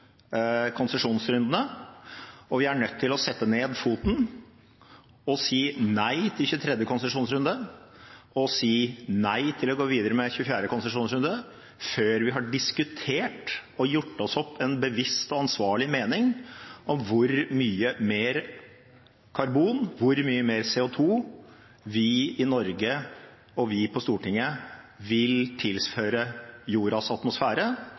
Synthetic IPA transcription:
kʰɔnsəʂuːnsɾʉnd̪ənə | ɔʋɪæɳœt̪ʰːɪlɔsɛt̪ːəneːd̪fuːt̪n̩ | ɔsiːnæɪt̪ʰɪlçʉːt̪ʰɾɛd̪jəkʊnsəʂuːnsɾʉnd̪ə | ɔsiːnæɪt̪ʰɪlɔɡoːʋiːd̪əɾəmɛçʉfjæːɖəkʰʊnsəʂuːnsɾʉnd̪ə | føːɾʋɪɦɑɖɪskʉt̪ʰeːʈɔjʊʈːɔsɔpʰːɛnbəʋɪst̪ɔɑnsʋɑːɭɪmeːnɪŋʔɔmʋʊɾmyːəmeːɾ | kʰɑɾbuːnʋʊɾmyːəmeːɾseːʊt̪ʰuː | ʋɪɪnɔɾɡə | ɔʋɪpʰɔst̪uːʈɪŋːə | ʋɪlt̪ʰɪlsføːɾəjuːɾɑsɑt̪mʊsfæːɾə

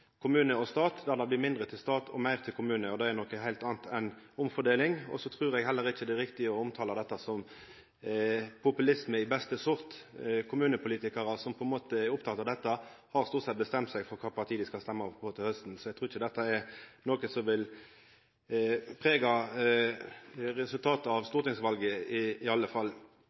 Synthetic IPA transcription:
kʰʊmʉːnəɔst̪ɑːt̪d̪æʁd̪æb̪ɪmɪnd̪ʁət̪ʰɪlst̪ɑːt̪ʰɔ̰mæɪʁt̪ʰɪlkʰʊmʉːnəɔd̪ɛɛnɔkːəɦæɪlt̪ɑːnt̪ʰɛnʊmfɔd̪eːlɪŋɔ̰sɔt̪ʰɾʉːɾɛɡhɛlːəɾɪçəd̪æɾɪkt̪ɪəɔʊmt̪ʰɑːlɑd̪ɛt̪ːɑsɔm | pʰʊpʉlɪsməɪbɛst̪əsʊʁt̪kʰʊmʉːnəpʰʊliːt̪ɪkɑɾɑsɔmpʰɔɛnmoːt̪əɛɾʊpt̪ʰɑt̪ɑd̪ɛt̪ːɑhɑʁst̪uːʁt̪sɛt̪̚bəst̪ɛmt̪sæɪɡfɔɾkʰɑːpʰɑʁt̪ʰiːd̪ɪskɑst̪ɛmːɑpʰot̪ɪlhœst̪n̩sɔɛɡ̚t̪ʁuːɾɪçəd̪ɛt̪ːɑɛɾnoːkəsɔmʋɪl | pʰʁeːɡɑ | ʁɛsʉlt̪ʰɑːt̪əɑʋst̪uːʁɾt̪ɪŋsʋɑlɡəɪːɑlːəfɑlː

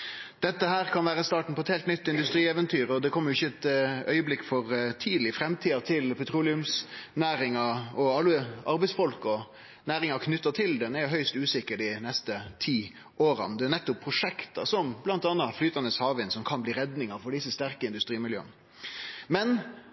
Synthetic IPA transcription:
d̪̥ɛt̪ːəɦæːɾkʰɑnʋæːɾəst̪ɑːʈɳ̩pɔɛt̪heːlt̪nʏt̪ːɪnd̪ʉst̪ɾiːɛːʋənt̪ʰyːɾɔd̪ɛkʰɔmːəɾjʊɪçːəɛt̪œʏəblɪkːfɔɾt̪ʰiːd̪l̩ɪfɾɛmt̪ʰiːɑt̪ʰɪlpʰɛt̪ʰɾuːlɪʉmsnæːɾɪŋɑɔɑləɑɾbɛɪsfɔlkɔ | næːɾɪŋɑkʰnʏt̪ːɑt̪ʰɪld̪ɛnæɾjʊɦœʏst̪ʉːsɪkːəɾd̪ɪnɛst̪ət̪ʰiː | ʔoːɾɑ̰nd̪ɛnɛt̪ːʊpʰːɾʊʂɛkt̪ɑ̰sɔmblɑnt̪ɑːnɑflyːt̪ɑnəshɑːʋɪnsɔmkʰɑnbliːɾɛd̪nɪŋɑfɔɖɪsəst̪æɾkəɪnd̪ʉst̪ɾiːmɪljø̰ːən | mɛn

